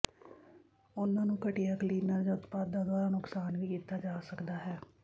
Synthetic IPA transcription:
ʊnãːnũːkəʈijaːkliːnəɾd͡ʒaːʊt̪paːd̪ãːd̪waːɾaːnʊksaːnʋiːkiːt̪aːd͡ʒaːsəkd̪aːɦɛː

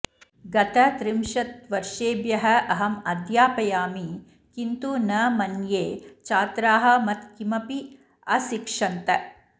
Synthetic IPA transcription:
ɡɐt̪ɐt̪ɾimʃɐt̪ʋɐɾʂeːbjɐɦɐʔɐɦɐmɐd̪jaːpɐjaːmi | kint̪unɐmɐnjeːt͡ʃaːt̪ɾaːɦɐ̆mɐt̪kimɐpi | ɐsikʂɐnt̪ɐ

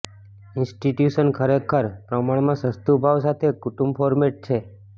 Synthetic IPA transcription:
ɪnsʈiʈjuʃənkʰəɾekʰːəɾpɾəmaɳ̃mãsəst̪ubʱaʋsat̪ʰekʊʈũmbfʰɔɾmeʈ̚t͡ʃʰe

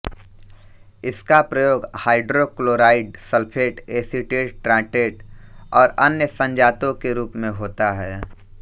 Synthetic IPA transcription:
ɪskapɾəjoːɡhaːɪɖɾokloːɾaːɪɖsəlpʰeːʈeːsiʈeːʈʈɾãːʈeːʈɔːɾənjəsə̃ɲd͡ʒaːt̪õkeɾuːpmẽɦoːt̪aɦɛː

